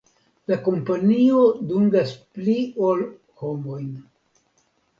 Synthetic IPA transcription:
lako̞mpanio̞duŋɡaspliol | ho̞mo̞jn

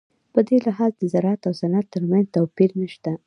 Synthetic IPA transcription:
pəd̪elɪɦɑzd̪əzaɾɑat̪awsanat̪ːəɾmanzt̪awpiɾnəʃt̪a

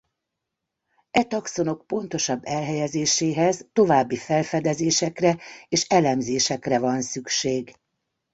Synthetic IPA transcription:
ɛt̪ɒkso̞no̞k̚po̞nt̪o̞ʃɒbːɛlɦɛjɛzeːʃeːɦɛzt̪o̞vaːbːifɛlfɛd̪ɛzeːʃɛkrɛeːʃɛlɛmzeːʃɛkrɛvɒnsykʃeːɡ

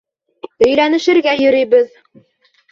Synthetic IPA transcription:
ɵ̆jlænɘ̆ʃɘ̆ɾɡæjɵ̆ɾĭjbɘð

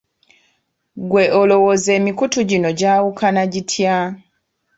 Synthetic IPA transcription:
ɡwe̞ʔolo̞woze̞ːmikutuɟino̞ɟaːwukʰanaɟitʰja

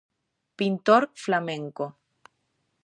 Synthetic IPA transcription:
pint̪oɾflameŋko

